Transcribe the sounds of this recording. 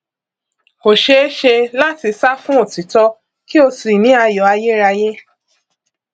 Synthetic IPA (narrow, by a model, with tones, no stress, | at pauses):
o˨ʃe˧˦ʃe˧la˦ti˧sa˦fũ˦o˦˨ti˨tɔ˧˦ | ki˦o˧si˨nĩ˨˦a˧jɔ˨a˧je˦ɾa˧je˦